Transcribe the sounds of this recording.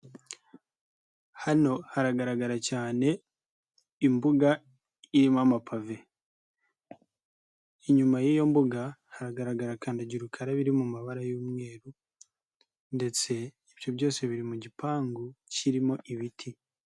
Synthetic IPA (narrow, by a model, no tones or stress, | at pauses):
hano̞haɾaɡaɾaɡaɾacaːne̞ | imbuɡa | iɾimamapʰave̞ | iɲumajijo̞mbuɡahaɾaɡaɾaɡaɾakaːndaɟuɾukʰaɾaβiɾimumaβaɾajuːmŋe̞ːɾu | nde̞t͡se̞ | iβjo̞βjo̞ːse̞βiɾimuɟipʰaːŋɡuciɾimo̞ʔiβitʰi